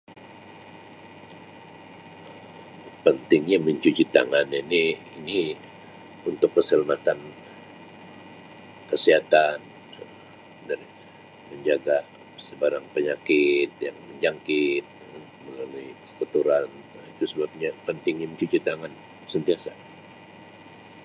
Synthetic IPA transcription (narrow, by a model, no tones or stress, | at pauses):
ə | pənt̪ɪŋɲaməɲt͡ʃut͡ʃit̪a̰ŋanjaniː | ni | unt̪ʊkːəsəlamat̪an | kəsiɦat̪an | daɾi | məɲd͡ʒaɡa | səbaɾaŋpəɲakɪt̪̚jaŋməɲd͡ʒaŋkɪt̪̚ | məŋaluikəkut̪uɾan | ait̪usəbap̚ɲapənt̪ɪŋɲaməɲt͡ʃut͡ʃit̪aŋan | sənt̪iasa